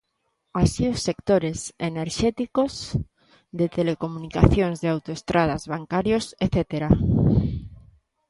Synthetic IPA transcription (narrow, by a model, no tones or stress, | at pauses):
asiosːekt̪oɾeseneɾʃɛt̪ikoz | ðet̪elekomunikaθjoŋzðeawt̪oest̪ɾað̞azβaŋkaɾjoseθet̪eɾa